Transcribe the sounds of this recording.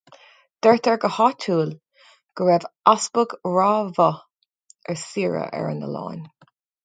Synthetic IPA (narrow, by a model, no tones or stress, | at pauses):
d̪̥ɛɹt̪ʰɛɹɡəhatʰuːl | ɡ̥əɹɛvasbəɡɹaːvə | ɛɹsiːɹə̰ʔɛ̰ɹə̰nə̰lɑ̰ːn